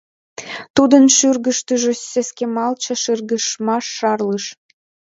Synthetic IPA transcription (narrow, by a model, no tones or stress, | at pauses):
t̪ud̪ənʃyrɣəʃt̪ɨʒoseskemɑlt͡ɕɤ̆ʃərɣəʃmɑʃːɑrləʃ